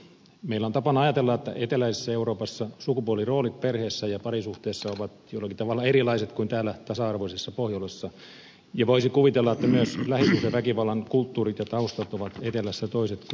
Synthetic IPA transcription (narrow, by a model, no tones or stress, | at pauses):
meilːæont̪ɑpɑnɑjɑt̪elːɑet̪ːæ̰ʔet̪elæise̥sːæeuɾoːpɑsːɑsukupuoliroːlit̪̚perheːsːæjɑpɑrisuht̪eːsːɑoʋɑt̪joilːɑkit̪ɑʋɑlːɑeɾilɑiset̪kuint̪æːlːæt̪ɑsɑɑrʋoisesːɑpohjolesːɑ | jɑʋoisikuʋit̪elːɑet̪ːæmyøslæhisk̪yseʋækiʋɑlːˑɑŋkult̪ːuːrit̪jɑt̪ɑust̪ɑt̪oʋɑt̪et̪elæsːæt̪oiset̪